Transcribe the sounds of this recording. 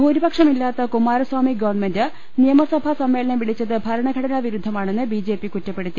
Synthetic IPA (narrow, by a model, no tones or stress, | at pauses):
bʱuːɾibɐkʂɐmilːaːt̪ːɐkumaːɾɐswaːmiɡɐʋɐɳmendɨ | nijɐmɐsɐbʱɐsɐmːe̞ːlɐnɐmʋiɭit͡ɕːɐðɨbʱɐɾɐɳɐɡʱɐɽɐnɐʋiɾud̪ʱːɐmaːɳenːɨbiːd͡ʑe̞ːpikutːɐpːe̞ɽut̪ːi